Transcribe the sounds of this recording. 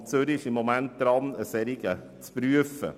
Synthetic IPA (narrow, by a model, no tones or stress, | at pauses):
søɾɪʃɪmːɔmænt̪̚d̪̥ɾɑnəsɛɾɪɡə | t͡spɾyəfə̰